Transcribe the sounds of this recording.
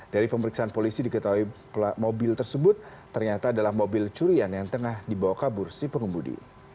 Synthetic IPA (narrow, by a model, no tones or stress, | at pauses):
d̥aɾipəməɾiksaanpolisidikət̪auipamobɪlt̪ərsəbʊt̪̚ː | ərɲat̪aːdalahmobɪlt͡ʃuɾianjaŋt̪əŋahdibawakabʊrsipəŋəmudḭ